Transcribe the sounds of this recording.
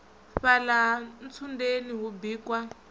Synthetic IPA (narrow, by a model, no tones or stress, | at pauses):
ɸalan̩t͡sʰundeniɦubiːkwa